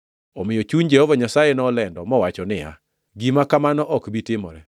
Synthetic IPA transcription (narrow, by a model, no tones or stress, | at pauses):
ɔmɪjɔt͡ʃuɲd͡ʒɛhɔvaɲasajɛnɔːlɛndɔmɔwat͡ʃɔnɪja̰ | ɡimakamanɔʔɔkbitɪmɔ̰ɾɛ